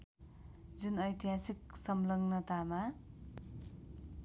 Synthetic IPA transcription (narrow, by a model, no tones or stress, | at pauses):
d͡zunʌjt̪iɦasik̚sʌmlʌŋnʌt̪ama